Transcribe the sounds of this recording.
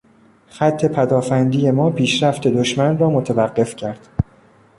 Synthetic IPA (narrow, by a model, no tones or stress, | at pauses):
xæt̪ʰːe̞pʰæd̪ɒːfænd̪iːje̞mɒːpʰiːʃɾæft̪ʰe̞d̪oʃmænrɒːmot̪ʰævæɢːe̞fcʰæɾd̪̥